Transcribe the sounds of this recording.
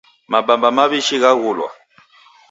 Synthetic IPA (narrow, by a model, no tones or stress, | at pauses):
mabambamaβiʃiɣaɣulwa̰